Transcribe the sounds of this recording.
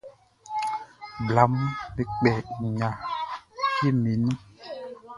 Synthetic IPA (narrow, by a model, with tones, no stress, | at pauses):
bla˨˦mbe˨k͡pɛ˨ɲã˨ | ke˦me˨nĩ˦